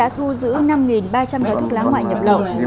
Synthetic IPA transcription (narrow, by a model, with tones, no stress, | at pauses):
a̰ː˧˥t̪ʰu˧zɨ̰˧˥na˧mŋi˨˩nɓaː˧t͡ɕa˧mkəː˨˩jt̪ʰu˦˥k̚laː˨˦ŋwa̰ː˧˨jɲə˨˩p̚lə̰˧˨w